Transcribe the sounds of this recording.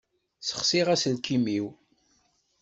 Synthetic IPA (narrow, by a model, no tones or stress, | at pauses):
sə̥χsiʁæsəlkʰimiw